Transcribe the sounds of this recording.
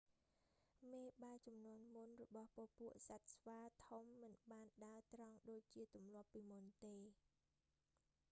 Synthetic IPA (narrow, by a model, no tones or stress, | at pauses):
meːɓaɛt͡ɕɑmnŭənmunrɔɓɑhpoəʔpuəʔsat̪̚sʋaːt̪ʰumːɨnɓaːnɗaət̪rɑŋɗoːc̚t͡ɕiət̪umlŏəpːiːmunt̪eː